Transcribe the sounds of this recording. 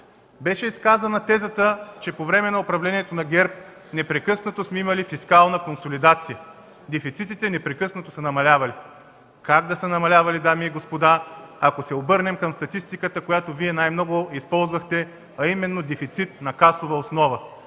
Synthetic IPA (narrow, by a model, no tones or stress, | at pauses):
bɛʃɛiskazɐnɐt̪ɛzət̪ət͡ʃɛpovɾɛmɛnɐopɾɐvlɛniɛt̪onɐɡʲɛɾp̚ | nɛpɾɛkɤsnɐt̪osmɛimɐlifiskalˠnəkonsolid̪at̪sijə | d̪ɛfit̪sit̪it̪ɛnɛpɾɛkɤsnɐt̪osɐnɐmɐlʲavɐli | kaɡ̚d̪ɐsənɐmɐlʲavɐlid̪amiːɡospod̪aɐkosɛobɤɾnɛmkɐmst̪ɐt̪ist̪ikət̪əkojat̪oviɛnajmnɔɡʊispɔlˠzvɐxt̪ɛ | ɐimɛnːod̪ɛfit̪sit̪nɐkasovɐosnɔvə